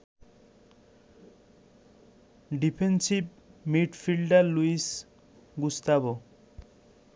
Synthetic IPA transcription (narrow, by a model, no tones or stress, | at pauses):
ɖipʰensip̚ | miʈpʰilɖaluis | ɡust̪abɔ